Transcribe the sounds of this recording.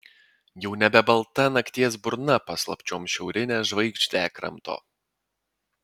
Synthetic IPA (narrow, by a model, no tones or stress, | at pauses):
jɛʊnʲɛbʲɛbɐlˠt̪ɐnɐkt̪ʲiɛs̬bʊɾnɐpɐslˠɐ̰pʲt͡ʃʲoːmʃʲɛʊɾʲɪnʲeːʒʋɐɪkt͡ʃʲt̪ʲæːkɾɐ̰mt̪o̰ː